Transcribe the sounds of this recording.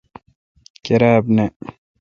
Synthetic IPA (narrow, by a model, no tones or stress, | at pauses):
keɾaːbne